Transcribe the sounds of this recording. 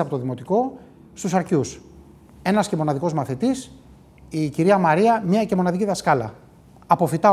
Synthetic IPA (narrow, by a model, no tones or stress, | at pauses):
ɐpo̞t̪oðimo̞t̪iko̞ | st̪usɐɾcus | e̞nɐsce̞mo̞nɐðiko̞zmɐθit̪is | iciɾiɐmɐɾiɐmɲɐce̞mo̞nɐðiciðɐskɐlɐ̰ | ɐpo̞fit̪ɐ